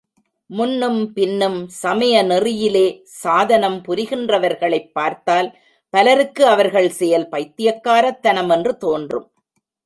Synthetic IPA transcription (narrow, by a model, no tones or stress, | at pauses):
mʊnːɯmpɪnːɯmsɐmɐjɐnɪrɪjɪleː | saːðɐnɐmpʊɾɪɣɪndrɐʋɐɾɣɐɭɐɪpːaːɾt̪aːl | pɐlɐɾɯkːɯɐʋɐɾɣɐɭsɛjɐlpɐɪt̪ːɪjɐkːaːɾɐt̪ːɐnɐmɛndrɯt̪oːndrɯ̰m